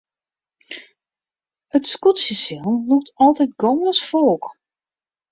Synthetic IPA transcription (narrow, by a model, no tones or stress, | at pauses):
ətskutsəsɪlˠnluk̚tʰɔlˠtɛjt̚ɡɔːəsfoːk